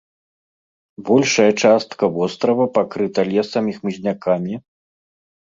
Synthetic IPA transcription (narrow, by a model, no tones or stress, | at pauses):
bɔlʲʂɐjɐt͡ʂast̪kɐvɔst̪ɾɐvɐpakɾɨt̪ɐlʲɛsɐmʲixmɨzʲnʲakʰamʲi